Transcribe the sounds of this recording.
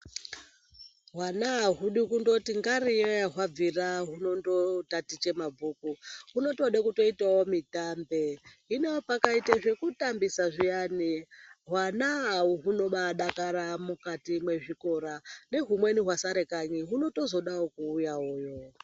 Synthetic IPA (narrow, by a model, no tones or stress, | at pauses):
ɦwanaɦaɦuɗikundo̞tiŋɡarijejaɦwab͡viraɦuno̞ndo̞tatit͡ʃe̞mabʱuːkuɦuno̞to̞ɗekuto̞itawo̞mitaːmbeɦineopakaitaʐe̞kutambisaʐijaniɦwanaɦuɦuno̞ɓaɗakaɾamukatimwe̞ʐiko̞ɾane̞ɦumwe̞niɦwasaɾe̞kaɲiɦuno̞to̞zo̞ɗawokuːjaoːjo